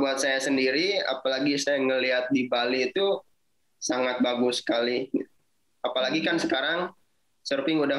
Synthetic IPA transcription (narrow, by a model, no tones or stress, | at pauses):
buat̪̚sajasəndiɾia̰palaɡisajaŋəliɦat̪̚dibaliːt̪u | saŋat̪̚baɡʊsə̥kali | apalaɡikansəkaɾaŋ | sərfɪŋuda